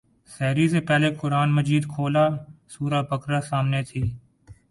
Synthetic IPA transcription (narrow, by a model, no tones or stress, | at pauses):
sɛːɾiːseːpɛːleːkʊɾaːnməd͡ʒiːd̪kʰoːlaːsuːɾaːpəkɾaːsaːmneːt̪ʰiː